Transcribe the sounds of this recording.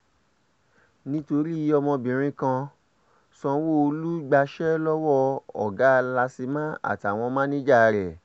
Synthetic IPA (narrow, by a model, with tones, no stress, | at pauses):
nĩ˦to˧ɾi˦i˨˧ɔ˧mɔ̃˧bĩ˨ɾ̃ĩ˧˦kã˧ | sɔ̃˧wo˦o˧lu˦ɡ͡ba˧ʃɛ˦lɔ˦wɔ˦ɔ̰˨ɡa˨˦˧la˧si˧mã˦a̰˨ta˨w̃ɔ̃˧mã˦nĩ˦d͡ʒa˦˧ɾɛ˨